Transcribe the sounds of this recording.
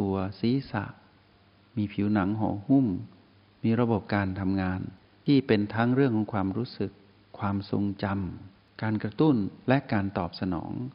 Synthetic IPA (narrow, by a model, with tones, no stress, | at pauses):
t̪u˧ɐsiː˨˦sa̰˧˩ʔ | miː˧pʰiː˩˦wna˩˦ŋɦɔ̰ː˩˦hu˥˩˨m | miː˧ɾa˧bo˨˩p̚kaː˧nt̪ʰa˧mŋaː˧n | t̪ʰiː˥˩pe˧nt̪ʰaː˦˥ŋɾɯ˥˩əŋkʰɔ˨˩˦ŋkʰwaː˧mɾuː˦˥sɯ˨˩kʰː | waː˧mso˧ŋt͡ɕa˧m | kaː˧nkɾa˧t̪u˥˩nlɛ˦˥ʔkaː˧nt̪ɔː˨˩p̚sa˧nɔ̰ː˩˦ŋ